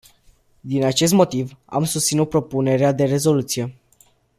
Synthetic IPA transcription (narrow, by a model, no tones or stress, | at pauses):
d̪inat͡ʃe̞s̬t̪mo̞t̪iva̰msust̪sinut̪̚pɾo̞pune̞ɾead̪e̞ɾe̞zo̞lut̪sije̞